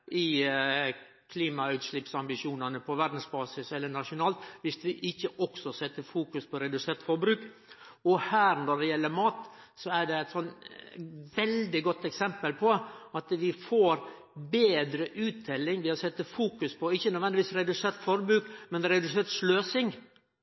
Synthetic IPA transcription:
ʔɪ | kʰliːmɑʉːt̪ʂlɪpsɑmbɪʃjuːnɑnəpʰɔʋæɾd̪n̩sbɑːsɪsɛlːəɳɑʂʊnɑːlt̪ʋɪsʋɪʔɪçːəʔɔksɔsɛt̪ːəfuːkʉspʰɔɾɛd̪ʉseːɾt̪fɔɾbɾʉːk | ɔhæːɾnɔɖ̪ɛjɛlːəmɑːt̪sɔæɖɛæɪt̪sɔn | ʋɛld̪ɪɡɔt̪ːɛksɛmpəlpʰɔɑt̪ʋɪfoːɾ | beːd̪ɾəʔʉːt̪̚d̪ɛlːɪŋʋɪɑsɛt̪ːəfuːkʉspʰɔɪçːənœd̪ʋɛnd̪ɪʋiːsɾɛd̪ʉseːɾt̪fɔɾbɾʉːkmɛnɾɛd̪ʉseːɾt̪ʂløːsɪŋ

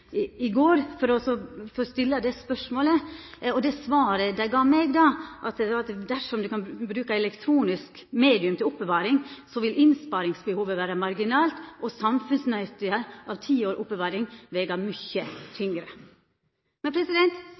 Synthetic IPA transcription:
ɪɡoːɾfɔɾɔsɔfɔɾɔst̪ɪlːəd̪ɛspœʂmoːlə | ɔd̪ɛsʋɑːɾəd̪æɪɡɑːmɛɡd̪ɑʔɑt̪ɑt̪d̪æʂɔmd̪ʉkɑnbɾʉːkəɛlɛkt̪ʰɾuːnɪsk | meːd̪ɪʉmt̪ʰɪlʊpbəʋɑːɾɪŋsɔʋɪlʔɪnspɑɾɪŋsbəhuːʋəʋæːɾɑmɑɾɡɪnɑːlt̪ʔɔsɑmfʉnsnæt̪ɪəɾʔɑʋt̪ʰiːoːɾʔʊpːbəʋɑːɾɪŋʋɛːɡɑmʏçːət̪ʰʏŋɾə | mɛnpʰɾɛsɪd̪ɛnt̪

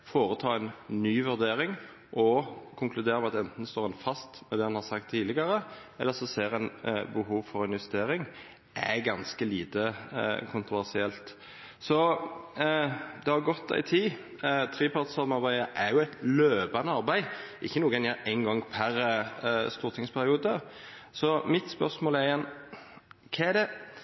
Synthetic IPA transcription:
foːɾət̪ʰɑːɛnnyːʋʉɾd̪eːɾɪŋ | ʔɔkʰʊŋklʉd̪eːɾəmɛɑt̪ɛnt̪n̩st̪oːʁɛnfɑst̪mɛd̪ɛːɑnhɑsɑkt̪ʰːiːlɪɡɑɾəɛ̰lːəsɔseːɾænbəɦuːʋfɔɾɪnʋɛst̪eːɾɪŋ | ʔæ̰ɡɑnskəliːt̪əkʰʊnt̪ʁʊʋæʁsɪɛlt̪ | sɔ | d̪ɛhɑɾɡɔt̪ːæ̰ɪt̪ʰiː | t̪ʰɾiːpʰɑʁt̪sɔmɑɾbæɪəʔɛjʊæɪt̪løːpɑnəɑɾbæɪɪçːənuːɡɛnjæːɾæɪŋɡɔŋpʰæɾ | st̪uːɾt̪ʰɪŋspʰæɾɪuːd̪ə | sɔmɪt̪spœɾsmoːlæɾjɛn | kʰɛæd̪ɛ

